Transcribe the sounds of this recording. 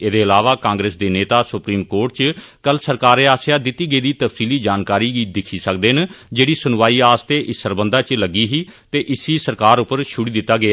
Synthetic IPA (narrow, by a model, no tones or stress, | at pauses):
eːd̪eːəlaːʋaːkãːŋɡɾeːsd̪eːneːt̪aːsʊpɾiːmkoːʈt͡ʃkəlsəɾkaːɾeːaːsijaːd̪ɪt̪ːiːɡeiːd̪iːt̪əfsiːliːd͡ʒaːnkaːɾiːɡiːd̪ɪkʰiːsəkd̪eːnd͡ʒeːɽiːsʊnʋaːiːaːst̪eːʔɪsəɾbənd̪ãːt͡ʃləɡiːɦiːt̪eːʔɪsiːsəɾkaːɾʊpːəɾʃʊɽiːd̪ɪt̪ːaːɡɪaː